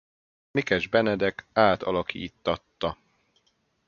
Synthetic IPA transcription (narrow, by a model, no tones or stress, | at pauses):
mikɛʒbɛnɛd̪ɛkaːt̪ɒlɒkʰḭːt̪ːɒt̪ːɒ